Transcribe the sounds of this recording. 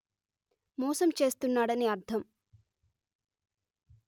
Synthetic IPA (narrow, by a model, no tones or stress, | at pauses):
mɔːsɐmt͡ʃe̞ːst̪unːaːɽɐneɐɾt̪ʰɐm